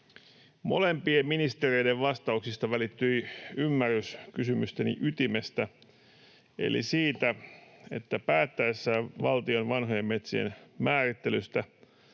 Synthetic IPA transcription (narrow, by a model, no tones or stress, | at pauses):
mo̞̰lempiemminist̪erejdeʋʋɑst̪ɑuksist̪ɑʋælit̪ːyjymːærːyskysymyst̪enḭʔyt̪imest̪æ | ḛlḭsiːt̪æe̞̰t̪ːæpæːt̪ːæesːæːʋɑlt̪io̞nʋɑnɦojemme̞t̪sḭḛnmæːrit̪ːe̞lyst̪æ